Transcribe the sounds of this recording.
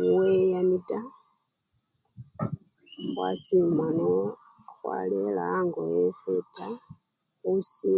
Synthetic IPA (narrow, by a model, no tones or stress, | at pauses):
wejamitʼa | bwa̰simwanɔ | xwa̰lɛlaŋɡɔjɛfɛtʰʼa | usi